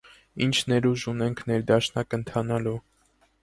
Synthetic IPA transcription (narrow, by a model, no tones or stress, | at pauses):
int͡ʃʰnɛɾuʒunɛŋkʰnɛɾd̪ɑʃnɑkənt̪ʰɑnɑlu